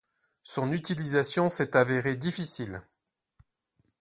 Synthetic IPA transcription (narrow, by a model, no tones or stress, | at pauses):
sɔ̃nyt̪ilizasjɔ̃sɛt̪aveʁed̪ifisil